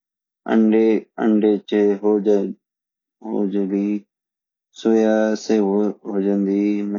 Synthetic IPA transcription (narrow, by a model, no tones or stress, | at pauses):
ə̰ɳɖeə̰ɳɖeːt͡ʃeɦo | ɦo̰ːd͡ʒliː | soːjaːseːɦoːd͡ʒənd̪iːmə